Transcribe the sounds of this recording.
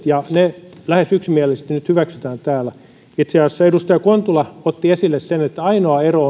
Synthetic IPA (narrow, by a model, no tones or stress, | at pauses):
jɑnelæhesyksimiælest̪nyt̪hyʋæksyt̪æːnt̪æːlæ | it̪seɑsːɑedust̪ɑjɑkont̪ulɑot̪ːiesilːessenet̪ːæɑinoɑeroː